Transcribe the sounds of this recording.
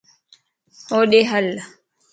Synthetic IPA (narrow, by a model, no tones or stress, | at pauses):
hɔɗɛɦalːa